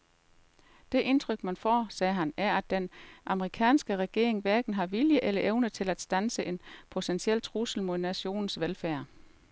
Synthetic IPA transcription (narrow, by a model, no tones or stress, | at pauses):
d̥e̝ʔe̝nt͡sʰʁœɡ̥mænfɒ̰ːsɛːɦænæɐæd̥ːenʔɑ̈məʁikʰɛ̰ːnsɡ̥əʁɛɡ̥e̝̰ɐ̰eŋʋæɐɡ̥n̩ɦɑ̈ʋiljəʔelɐʔeʊnət͡sʰe̝læd̥sd̥ænsəʔe̝npʰo̝t͡sʰensiel̰t͡sʰʁusl̩mo̝ðˠnæɕo̝̰ːnn̩sʋelfæɐ̰